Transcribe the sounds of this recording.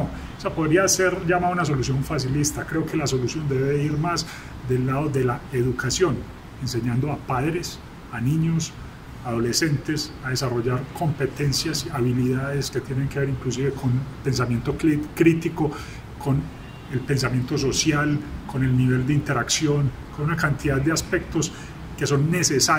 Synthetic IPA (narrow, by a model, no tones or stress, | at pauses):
no | seapo̞ðɾiase̞ɾd͡ʒamaunas̬o̞lusjo̞ɱfas̬ilist̪akɾe̞oke̞laso̞lusjo̞nd̪e̞βeiɾmaz | d̪e̞lːaðo̞ðe̞lae̞ðukasjo̞n | e̞nse̞ɲãnd̪o̞apaðɾe̞s | aniɲos | aðo̞le̞se̞nt̪e̞saðe̞saro̞ʝaɾko̞mpe̞t̪e̞nsjasiaβiliðaðe̞ske̞t̪je̞neŋke̞βe̞ɾiŋklus̬iβe̞kʰo̞npe̞ns̬amje̞nt̪o̞kɾit̪iko̞ | ko̞n | e̞lpe̞ns̬amje̞nt̪o̞s̬osjalko̞ne̞lniβ̞e̞ld̪eint̪e̞ɾaksjo̞ŋ | ko̞nunakant̪iðaðd̪easpe̞k̚t̪o̞s | ke̞so̞nːe̞sesa